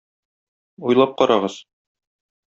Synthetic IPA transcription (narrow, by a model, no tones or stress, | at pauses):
ujlˠɑp̚qɒɾʔɑʁɤz̥